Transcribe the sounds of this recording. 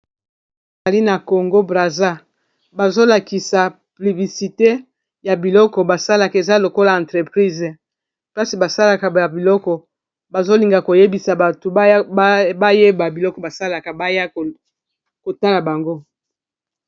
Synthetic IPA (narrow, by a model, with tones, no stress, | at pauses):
za˨li˦na˨ko˨ŋɡo˦bʁa˨za˦ | ba˨zo˦la˨ki˨sa˨ | ply˨bi˨si˨te˦ | ja˨bi˨lɔ˦kɔ˨ba˨sa˦la˨ka˨e˨za˦lo˨ko˦la˨ã˨tʁe˨pʁi˦z | pla˦si˨ba˨sa˦la˨ka˨a˨bi˨lɔ˦kɔ˨ | ba˨zo˦li˨ŋɡa˨ko˨je˦bi˨sa˨ba˨to˨˦ba˦je˦ba˨bi˨lɔ˦kɔ˨ba˨sa˦la˨ka˨ba˦ja˦˨ | ko˨ta˦la˨ba˨ŋɡo˦